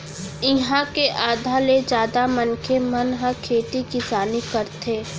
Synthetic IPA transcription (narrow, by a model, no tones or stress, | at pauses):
ɪɦãkeʔaːd̪ʱaled͡ʒjaːd̪amɐnkʰemɐnɦãkʰeːt̪ikɪsaːnikəɾt̪ʰeː